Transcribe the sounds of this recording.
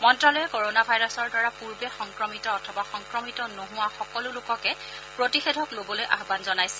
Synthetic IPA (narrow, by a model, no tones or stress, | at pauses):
mɔntɹalɔjɛkoɹonabʱajɹɔsɔɹdaɹapuɹbɛxɔŋkɹɔmitɔːtʰɔbaxɔŋkɹɔmitɔnoɦʊwaxɔkɔlʊlʊkɔkɛ | pɹotixedʱɔklobɔlojʔaxbanzɔnajsɛ